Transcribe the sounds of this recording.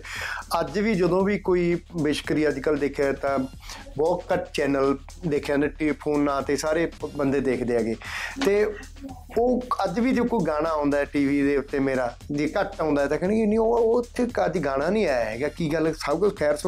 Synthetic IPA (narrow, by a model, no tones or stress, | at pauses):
əd͡ʒʋiːd͡ʒəd̪õːʋiːkoːiːbɪʃkɾiːəd͡ʒkəld̪eːkʰat̪ãː | bɔːt̪kəʈt͡ʃɛːnəl | d̪eːkʰjãːeʈeːliːpʰoːnːãːt̪eːsaːɾeːbənd̪eːd̪eːkʰd̪eːaːɡeːt̪eː | oːəd͡ʒʋiːd͡ʒoːkoːiɡaːɽ̃aːɦõːnd̪aːɛːʈiːʋiːd̪eːʊt̪ːeːmeːɾaː | d͡ʒeːkəʈãːnd̪aːɛːt̪ãkɛ̃ːɽ̃eːkinĩːot̪ʰːeːəd͡ʒɡaːɽ̃aːnĩːaːjaeːɡaːkiːɡəlsaʊkəkʰɛːɾs